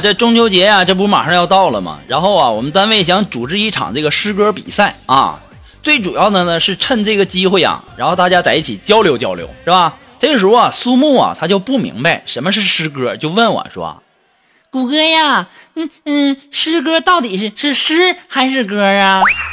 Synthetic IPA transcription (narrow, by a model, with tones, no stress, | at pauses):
ʈ͡ʂɤ˥˩ʈ͡ʂʊ˥ŋt͡ɕʰjo˥ʊt͡ɕjɛ˧˥ja˨ʈ͡ʂɤ˥˩p̬ʂɻ̩˧˥˩ma̰˨˩ʂɑ˥˧ŋjɑ˥˧ʊt̪ɑ˥˩ʊlə̰˩mɐ̰˩ɻa˧˥nxo˥˩ʊɐ˨˩wɔ̰˨˩mə˦nt̪a˥nwe˥˩ɪɕ̬jɑ˧˥˩ŋʈ͡ʂu˨˩ʈ͡ʂɻ̩˥˧i˥˩ʈ͡ʂʰɑ̰˨˩ŋəɤ˥˩ə˩ʂɻ̩˥kɤ˥pḭ˨˩sa˥˩ɪɐ̰˧˩ | t͡swe˥˩ɪʈ͡ʂu˨˩jɑ˥˩ʊd̪ə˩nə˩ʂɻ̩˥˧ʈ͡ʂʰə˥˧nʈ͡ʂɤ˥˩ɡə˩t͡ɕi˥xwe˥˩ɪɐ̰˨˩ɻa˧˥nxo˥˧ʊt̪a˥˩t͡ɕja˥t͡sa˧˥ɪi˥˩t͡ɕʰi˨˩t͡ɕjɑ˥ʊljo˧˥ʊt͡ɕjɑ˥ʊljo̰˧˥ʊʂɻ̩˥˩bɐ˩ | t͡sa˥˧˩ʂɐ˨˩su˥mu˥˩ɐ̰˨˩t̪ʰa˥t͡ɕjo˥˧ʊpu˥˩mḭ˧˥ŋba˧ɪʂə˧˥nmə˧ʂ̬ɻ̩˥˩ʂɻ̩˥kɤ˥t͡ɕjo˥˧ʊwə˥˩nwə̰˨˩˦nʂwɔ̰˥˧˩ | ku˨˩kə˥ja˥˧n̩˥˩n̩˥˩ʂɻ̩˥k̬ɤ˥t̪ɑ˥˩ʊt̪i˨˩ʂɻ̩˥˧ʂɻ̩˥˩ʂɻ̩˥xa˧˥ɪʂɻ̩˥˩kɤ˥a˩